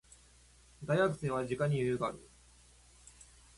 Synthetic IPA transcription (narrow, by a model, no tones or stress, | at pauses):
d̪ajakɯ̟̥sẽɰ̃βad͡ʑikaɲ̟ijɯjɯɡaɾɯ̰